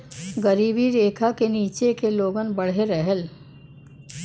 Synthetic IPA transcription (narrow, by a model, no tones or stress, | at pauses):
ɡəɾiːbiɾeːkʰakeniːt͡ʃekeloːɡənbəɽ̤eɾɛɦəl